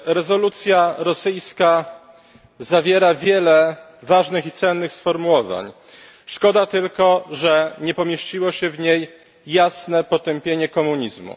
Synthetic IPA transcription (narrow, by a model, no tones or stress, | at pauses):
ɾɛzɔlut̪sʲjaɾɔsɘjska | zavʲjɛɾavʲjɛlɛ | vaʐnɘxit̪sɛnːɘxsfɔɾmuwɔva̰ɲ | ʂkɔd̪at̪ɘlkɔʐɛɲɛpɔmʲjeɕt͡ɕiwɔɕɛvɲejː | asnɛpɔt̪ɛmpʲjeɲɛkɔmuɲizmṵ